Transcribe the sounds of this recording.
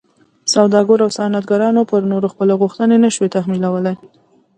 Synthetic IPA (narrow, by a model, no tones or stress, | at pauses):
sawd̪ɑɡoɾawsɑnat̪ɡaɾɑnopəɾnoɾoxpəleɣuxt̪ənenəʃwet̪axmilawəlaj